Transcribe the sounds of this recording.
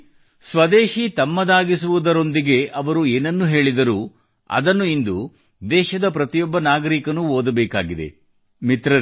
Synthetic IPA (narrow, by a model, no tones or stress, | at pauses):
sʋɐd̪eːʃit̪ɐmːɐd̪aːɡisuʋud̪ɐɾo̞nd̪iɡe̞ʔɐʋɐɾueːnɐnːuɦe̞ːɭid̪ɐɾu | ɐ̰d̪ɐnːuind̪u | d̪ɛːʃɐd̪ɐpɾɐt̪ijɔbːɐnaːɡɐɾikɐnuoːd̪ɐbɛːkaːɡid̪e̞̰ | mit̪ɾɐɾ